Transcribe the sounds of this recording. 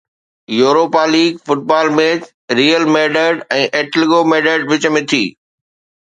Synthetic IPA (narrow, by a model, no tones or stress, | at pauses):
joːɾoːpaːliːɡfʊʈ̚baːlmeːd͡ʑ | ɾiːəlmeːɖəɖɛ̃ːʔeːʈlɡomeːɖəɖ̚ʋɪt͡ɕmɪ̃t̪ʰḭː